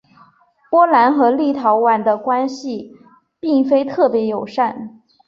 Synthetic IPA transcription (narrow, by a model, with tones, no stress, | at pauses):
pwɔ˥la˧˥nxɤ˧˥li˥˩t̪ʰɑ˧˥ʊwa˨˩nd̪ə˧kwa˥nɕi˨ | pi˥˩ŋfe˥ɪt̪ʰɤ˥˩pjɛ˧˥jo˨˩ʊʂa˥˩n